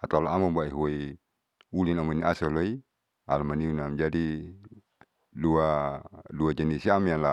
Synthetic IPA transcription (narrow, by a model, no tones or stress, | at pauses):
at̪alaamambaiɦui | ulinamɔniasɔloi | a̰lmaniunamd͡ʒadi | duaduad͡ʒanisiamanla